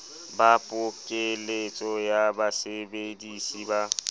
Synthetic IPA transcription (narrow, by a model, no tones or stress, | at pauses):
bapʼʊkʼɪlet͡sʼɔjabasebedisiba